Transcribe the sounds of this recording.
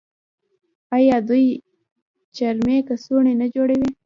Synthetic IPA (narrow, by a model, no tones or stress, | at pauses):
ɑjɑd̪uj | t͡ʃaɾmekəsuɳenad͡ʒoɽawi